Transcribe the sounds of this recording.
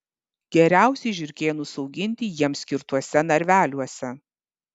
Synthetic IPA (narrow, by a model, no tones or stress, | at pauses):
ɡʲɛɾʲæˑʊsʲɛɪʒʲʊɾʲkʲeːjonʊsɐʊɡʲɪnʲt̪ʲɪjiɛmsʲkʲɪɾt̪uɔsʲɛnɐɾʲʋʲæːlʲuɔsʲɛ